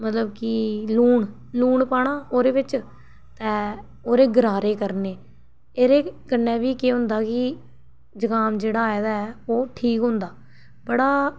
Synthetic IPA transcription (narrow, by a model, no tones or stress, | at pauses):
mət̪ləbkɪluːɳ | luːɳpaːɽ̃aːoːɾeːʋɪt͡ʃ | t̪ɛ̃ː | oːɾeːɡəɾaːɾeːkəɾneː | eːɾeːkənːɛ̃ːʋiːkeːɦʊ̃nd̪aːkɪ | d͡ʒəkaːmd͡ʒeːɽaːaːeːd̪aːɛːoːʈʰiːkɦʊ̃nd̪aː | bəɽaː